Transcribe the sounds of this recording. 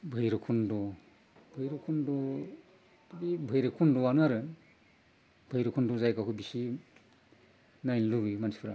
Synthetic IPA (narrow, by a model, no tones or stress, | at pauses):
bʱɯjɾɯkʰundɔ | bʱɯjɾɯkʰundɔ | tbibʱɯjɾɯkʰundɔanɯaɾɯ | bʱɯjɾɯkʰundɔzajkakʰubisi | najnluɡɯmansi̥pʰɾa